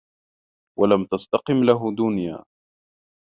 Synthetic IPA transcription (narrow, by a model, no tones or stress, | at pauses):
walamt̪ast̪ɑqɨmlaɦʊd̪ʊnja̰ː